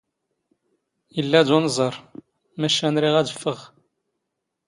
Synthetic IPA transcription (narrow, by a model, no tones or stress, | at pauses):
jəlːæd̪unzˤəɾˤ | mæʃænɾiʁæd̪əfːəʁ